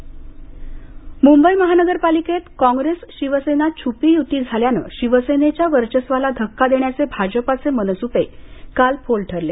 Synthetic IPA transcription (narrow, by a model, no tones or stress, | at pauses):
mumbəjməɦanəɡəɾpaliket̪kɔ̃ŋɡɾesɕiʋəsenat͡ɕʰupiːjut̪iːd͡zʱaljanə̰ɕiʋəsenet͡ɕjaʋəɾt͡ɕəsʋalad̪ʱəkːad̪eɳjat͡sebʱad͡zəpat͡semənəsupekalpʰolʈʰəɾle